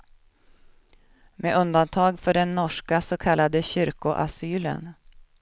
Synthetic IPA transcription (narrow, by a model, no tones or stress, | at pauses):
meːʔɵnd̪ant̪ʰɑːɡfœɖɛnːɔʂkasɔkʰalːad̪əɕʏɾkʊʔa̰syːlə̰n